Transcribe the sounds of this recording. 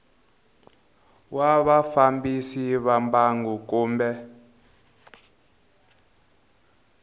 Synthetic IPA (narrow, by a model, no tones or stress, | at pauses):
waβafambisiβambaŋɡukuːmbɛ